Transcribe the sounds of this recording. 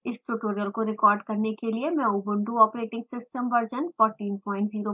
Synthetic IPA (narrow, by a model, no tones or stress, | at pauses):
ɪsʈuːʈoːɾijəlkoɾɪkɔːɾɖkɐɾnekeliemɛ̃ubʊ̃ɳʈuɔːpɾeːʈɪ̃ŋɡsɪsʈə̃mʋɐɾd͡ʒənfɔːɾʈiːnpɔ̃ːɪ̃ɳʈziːɾo